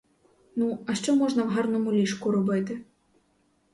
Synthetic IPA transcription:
nuɐʂt͡ʂɔmɔʐnɐwɦarnumulʲiʂkuɾɔbɨt̪ɨ

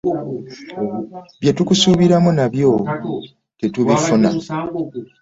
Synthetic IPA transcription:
βjetukusuːβiɾamunaβjo̞ | tetuβifuna̰

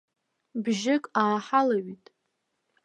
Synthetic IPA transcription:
bʒɪkʼaːħalaɥitʼ

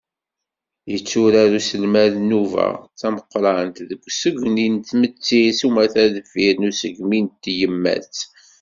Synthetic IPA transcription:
jət͡sːuɾaɾusəlmæðnuvæ̰t͡sːæməqːɾˤɑnt̪ðəɡʷːsəɡʷnint̪ːmət͡sːisumæθæðəfiɾnusəɡmint̪ːjəmːæ̰t͡s

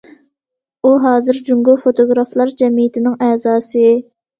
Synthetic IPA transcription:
uɦɑːzɨɾd͡ʒuŋɡofot̪ʰoɡɾɑflˠɑɾd͡ʒɛmijt̪ʰɪnɪŋɛːzɑːsɨ

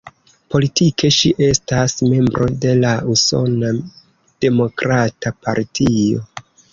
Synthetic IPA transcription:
po̞litike̞ʃiʔe̞stasme̞mbɾʔo̞de̞lauso̞̰na | d̥e̞mo̞kɾatapa̰ɾtʰio̞̰

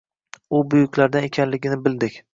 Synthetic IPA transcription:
ʊbʊjʊkʲʰlaɾd̪anekʲʰanlɪɡʲɪnɪbɪld̪ɪkʲ

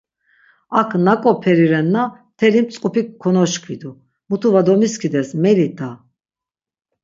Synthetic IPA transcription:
akʰnakʼɔpʰɛɾiɾɛnːat̪ʰɛlimt͡sʼkʼupʰikʰːɔnɔʃkʰid̪u | mut̪ʰuvad̪ɔmiskʰid̪ɛsmɛlit̪a

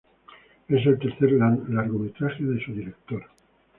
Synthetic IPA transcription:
es̬elt̪eɾθeɾalaɾɣomet̪ɾaxeðesuðiɾek̚t̪oɾa

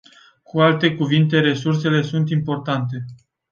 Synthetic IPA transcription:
kualt̪e̞kuvint̪e̞ɾe̞surse̞le̞sunt̪impo̞rt̪ant̪e̞

